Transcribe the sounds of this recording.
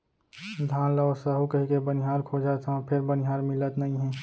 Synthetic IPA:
d̪ʱaːnləɔsəɦukəɦikebənɪɦaːɾkʰoːd͡ʒat̪ʰãpʰɪɾbənɪɦaːɾmɪlət̪nɐɦĩɦɛ̃ː

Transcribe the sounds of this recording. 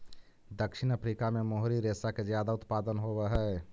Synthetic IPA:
d̪əkʃɪñəpɾiːkamẽmoɦɾiɾeːsakezjaːd̪aʊt̪paːd̪ənɦowɛɦɛː

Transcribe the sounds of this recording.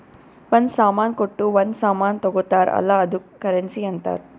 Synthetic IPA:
ʋɐnsaːmaːnkoʈːuʋɐnsaːmaːnt̪ɔɡɔt̪ːaːɾɐ̰laːɐd̪ukːɐɾensiːɐnt̪a̰ːɾ

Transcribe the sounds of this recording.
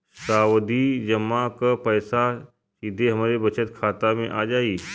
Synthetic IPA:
saʋd̪iːd͡ʑəmakəpəjsa | sid̪ʱeɦəmaɾebət͡ɕʰət̪kʰat̪ameʔad͡ʑaiː

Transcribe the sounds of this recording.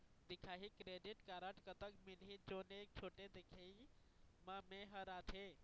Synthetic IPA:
d̪ikʰaɦikɾeɖiʈkaɾəʈkət̪əkmilɦid͡ʒonek̚t͡ʃʰoʈed̪ekʰei | məmeɦəɾat̪ʰe

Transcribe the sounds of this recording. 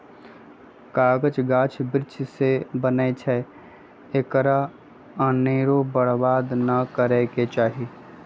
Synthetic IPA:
kaːɡət͡ʃɡãːt͡ʃʰbɪɾɪt͡ʃʰsebənet͡ʃʰɛ | ekɾa | əneːɾobəɽ̤baːd̪nəkəɾeːket͡ʃaːɦi

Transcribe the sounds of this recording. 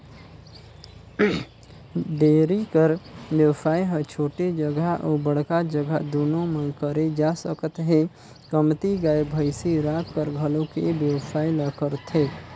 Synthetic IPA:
ɖ̪eːɾikəɾbjəwsaːiɦɛt͡ʃʰoːʈed͡ʒəɡaʔoːbəɽ̤kad͡ʒəɡʱad̪oːnõmə̃nkəɾed͡ʒaːsəkət̪ɦe | kəmt̪iɡaːebʱəɪseɾaːkːəɾɡʱəlõkebjəsaːiləkəɾt̪ɦeː

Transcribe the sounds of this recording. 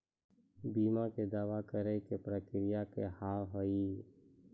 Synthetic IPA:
biːmaked̪aːʋakəɾɛkepɾəkɾɪjakehaːɦoiː

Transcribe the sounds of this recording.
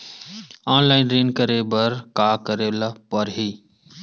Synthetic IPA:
aːnlaːɪnɾeːnkəɾebəɾkaːkəɾelapəɾɦiː

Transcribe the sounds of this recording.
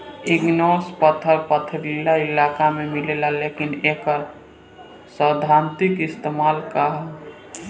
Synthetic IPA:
iɡnospət̪ʰəɾpət̪ʰəɾilailakamemilelalekinekəɾ | səd̪ʱant̪ikɪst̪emaːlkaɦ

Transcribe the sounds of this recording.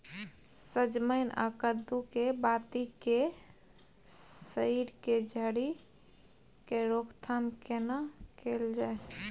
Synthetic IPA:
səd͡ʒməɪna̰kəd̪ukebat̪ike | səjiɾked͡ʒʱəɽi | keɾokt̪ʰamkenakeld͡ʒae

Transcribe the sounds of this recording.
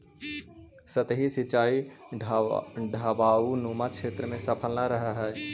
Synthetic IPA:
sət̪ɦisit͡ʃaːi | ɖʱabaunumakʰeːt̪ɾəmẽsəpʰəlnaɾəɦɛɦɛ

